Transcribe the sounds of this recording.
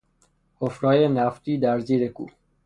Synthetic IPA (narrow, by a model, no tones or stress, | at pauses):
hofɾɒːjenæft̪iːd̪æɾziːɾekṵ